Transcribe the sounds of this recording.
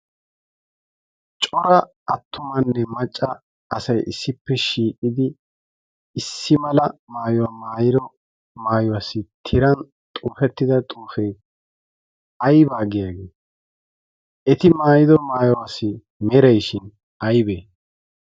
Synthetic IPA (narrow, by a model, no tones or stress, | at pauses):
t͡ʃʼɔɾɐ | ɐt̪ʰːʊmɐnːɛmɐt͡ʃʼːɐ | ɐsɐjʔɪsːɪpːɛʃiːkʼɪd̪ɪː | sːɪmɐlɐmaːjɔwaːmaːjɪd̪ɔ | maːjɔwasɪt̪ʰɪɾɐn | t̪ʼuːfɛt̪ːɪd̪ɐt̪ʼuːfɛj | ɐjbaːɡɪjaːɡeː | ʔɛt̪ɪmaːjɪd̪ɔmaːjɔwaːsːɪ | mɛɾɛjʃɪn | ɐjbeː